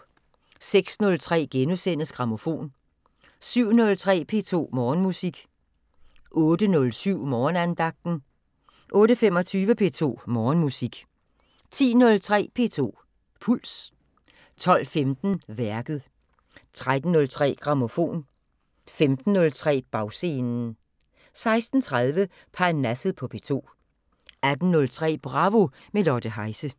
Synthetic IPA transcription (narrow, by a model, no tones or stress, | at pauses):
seɡ̥snɔ̽lt͡sʰʁɛ̰ːɡ̥enusen̰əsɡ̥ʁɑ̈mo̝fo̝̰ːn | syʊ̰nɔ̽lt͡sʰʁɛ̰ːpʰe̝̰ːt͡sʰo̝̰ːmɒːnmusiɡ̥ | ʔɔ̽ːd̥ənɔ̽lsyʊ̰mɒːnænd̥ɑ̈ɡ̥̚d̥n̩ | ʔɔ̽ːɾəfemɒ̽t͡sʰyːʋəpʰe̝̰ːt͡sʰo̝̰ːmɒːnmusiɡ̥ | t͡sʰḭːnɔ̽lt͡sʰʁɛ̰ːpʰe̝̰ːt͡sʰo̝̰ː | pʰul̰s | t͡sʰɒ̽l̰femd̥n̩ʋæɐɡ̥ð̞̩ˠ | t͡sʰʁad̥n̩ːɔ̽lt͡sʰʁɛ̰ːɡ̥ʁɑ̈mo̝fo̝̰ːn | femd̥n̩ːɔ̽lt͡sʰʁɛ̰ːb̥ɑ̈ʊse̝ːnn̩ | sɑ̈ɪsd̥n̩t͡sʰʁað̞ˠʋə | pʰɑnæsð̩ˠpʰɒ̽pʰe̝̰ːt͡sʰo̝̰ː | æd̥n̩nɔ̽lt͡sʰʁɛ̰ːb̥ʁɑ̈ʋo̝ | melɒd̥əɦɑ̈ɪsə